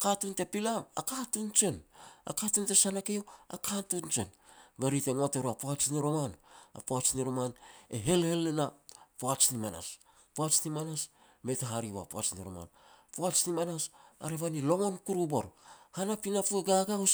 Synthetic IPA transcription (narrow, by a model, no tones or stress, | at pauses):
katunte̞pilaakatunt͡ʃe̞na̰katunte̞sanakeoa̰katunt͡ʃe̞nbeɾite̞ŋateɾoapoat͡ʃniɾo̞mana̰poat͡ʃniɾomaneɦe̞lhe̞lːenapoat͡ʃnimana̰s | poat͡ʃnimanas | me̞taɦaɾia̰poa̰t͡ʃniɾo̰ma̰npoat͡ʃnimanasa̰ɾe̞βanilo̞ŋo̞nkuɾubo̞ɾhanapinapueɡaɡaus